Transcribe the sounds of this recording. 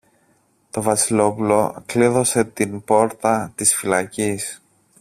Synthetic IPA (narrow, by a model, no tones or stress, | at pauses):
t̪o̞vɐsilo̞pulo̞kliðo̞se̞t̪inpo̞ɾt̪ɐt̪isfilɐcis